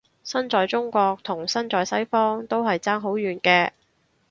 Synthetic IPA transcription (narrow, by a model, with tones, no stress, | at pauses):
sɐ˥nt͡sɔː˨˧jt͡sʊ˥ŋkʷɔː˧k̚t̪ʰʊ˨˩ŋsɐ˥nt͡sɔː˨jsɐ˥jfɔː˥ŋt̪o˥wɦɐ˨jt͡saː˥ŋɦo˨˥wjyː˨nkɛː˧